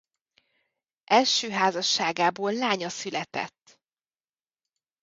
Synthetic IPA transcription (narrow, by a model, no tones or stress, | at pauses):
ʔɛlʃøːɦaːzɒʃːaːɡaːboːlːaːɲɒsylɛt̪ɛ̰t̪ː